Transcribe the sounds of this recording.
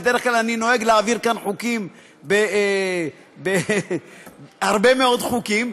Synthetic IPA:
bed̪eʁeχklalanino̞e̞ɡleaviʁkanħukim | be | be | haʁbe̞meo̞d̪χukim

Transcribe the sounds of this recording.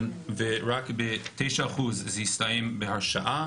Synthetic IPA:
nveɾakbetʰejʃaaχuzzistajɛmbehaʃaʔa

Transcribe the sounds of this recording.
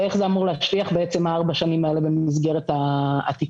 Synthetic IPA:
e̞χzeamuʁleːʃviaχbeet͡se̞maaʁbaʃanimae̞le̞bemizɡe̞ʁeta̰ːt̪i

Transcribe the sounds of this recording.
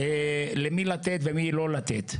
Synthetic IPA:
elemilat̪et̪vemilo̞lat̪et̪

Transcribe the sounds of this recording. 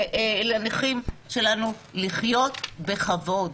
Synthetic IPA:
elaniχimʃe̞lanu | liχjo̞tbe̞χavo̞d

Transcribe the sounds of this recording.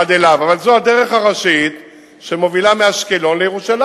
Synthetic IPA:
ad̪elavavalzoad̪e̞ʁe̞χaʁaʃit̪ | ʃemo̞vilameaʃkelo̞nlejeʁuʃal

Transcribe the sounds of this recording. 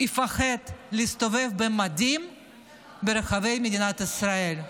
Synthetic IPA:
ifaχed̪leist̪ove̞vbemad̪im | beɾaχave̞jmed̪inat̪isɾael

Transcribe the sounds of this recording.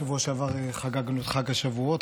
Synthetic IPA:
avuoʃeavaʁeχaɡaɡanut̪χaɡhaʃavuot̪

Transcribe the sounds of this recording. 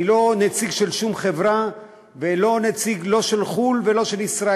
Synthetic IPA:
lo̞net͡siɡʃe̞lʃumχevʁa | velo̞net͡siɡlo̞ʃelχulve̞lo̞ʃelisʁa

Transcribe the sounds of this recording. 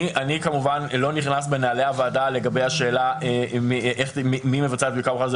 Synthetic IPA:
ianikamuvanlo̞niχnas̬be̞naːleavaːdale̞ɡabejhaʃe̞ːlaemiʔeχmimimevat͡sat̪bikabuχadz

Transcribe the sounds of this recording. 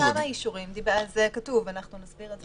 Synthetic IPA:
amaaiʃuʁimd̪ibazekatuvanaχnunazbiʁez

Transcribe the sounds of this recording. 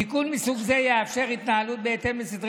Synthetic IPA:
ikunmisuɡze̞jeafʃe̞ʁit̪naɦalut̪̚beːt̪e̞mbesid̪ʁ

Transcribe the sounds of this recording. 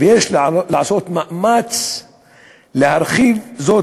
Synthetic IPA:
vjeːʃlaʕsoːt̪maʔmat͡s | lɪhaɾˤxiːvzoː

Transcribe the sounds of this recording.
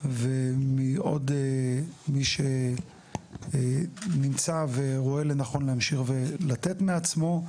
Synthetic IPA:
vemio̞̰demiʃe | nimt͡saveʁo̞e̞lenaχo̞nlehamʃiχvelat̪e̞tmeat͡smo̞

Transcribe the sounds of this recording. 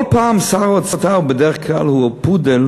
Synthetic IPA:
lˠpaːmsaʁɔt͡sɔtabədɛχkʰalˠhupudɛl

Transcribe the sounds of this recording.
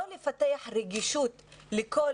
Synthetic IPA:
lɪfat̪aːħɾɪɡiʃuːt̪lɪkoː

